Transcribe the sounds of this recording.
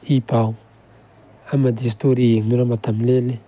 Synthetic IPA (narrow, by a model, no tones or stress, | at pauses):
ipaw | amadis̬toɾieŋnuɾamat̪amlele